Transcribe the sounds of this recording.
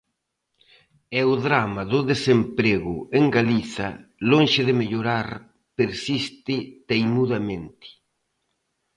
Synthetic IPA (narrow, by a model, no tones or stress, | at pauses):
ɛʊðɾamaðʊðesempɾeɣʊeŋɡaliθɐloŋʃɪðɪmeʎoɾaɾ | peɾsist̪ɪt̪ejmuðɐmẽnt̪ɪ̥